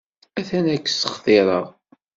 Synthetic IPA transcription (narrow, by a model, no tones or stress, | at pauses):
æθænækːsə̥χθɪɾˤəʁ